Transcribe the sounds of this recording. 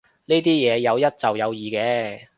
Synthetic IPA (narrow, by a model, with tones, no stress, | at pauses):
niː˥t̪iː˥jɛː˨˧jɐ˨˧wjɐ˥t̚t͡sɐ˨wjɐ˨˧wjiː˨˩kɛː˨˧